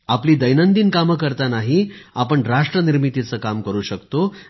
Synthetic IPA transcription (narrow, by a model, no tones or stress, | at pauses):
apliːd̪əjnənd̪iːnkaməkəɾt̪anaɦiapəɳɾaʂʈɾəniɾmit̪it͡səːkamkəɾuːɕəkt̪o